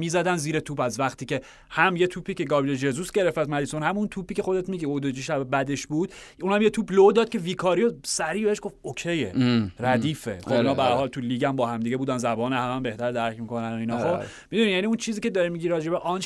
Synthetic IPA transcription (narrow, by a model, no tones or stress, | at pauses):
miːzæd̪ænziːɾet̪ʰuːpæzvæχt̪ʰiːce̞ | hæmje̞t̪ʰuːpʰiːce̞ɡɒːbiled͡ʒezusɟe̞ɾeft̪æd̪mælisonhæmunt̪ʰuːpiːcʰe̞xod̪e̞t̪miːɡiod̪od͡ʒiʃæbebæd̪eʃbuːd̪̥unhæmje̞t̪ʰuːblod̪ɒːd̪̥̚cʰe̞viːkʰɒːɾijosæɾiːbeheʃɡ̥o̞ftokʰejḛɾæd̪iːfḛxobinhɒːbeæɾhɒːlt̪ʰuliːɡæmbɒːhæmd̪iɟe̞buːd̪ænzæbɒːnehæmæmbe̞ht̪æɾd̪æɾcʰmikʰo̞nænoinɒo | mid̪unijæniunt͡ʃʰiːziːcʰed̪ɒɾimiɟiɾɒːd͡ʒebeʔɒn